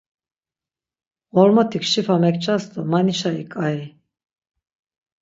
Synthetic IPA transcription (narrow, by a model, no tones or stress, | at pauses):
ʁɔlmɔt̪ʰikʃifamɛkt͡ʃʰasd̪ɔmaniʃaikʼai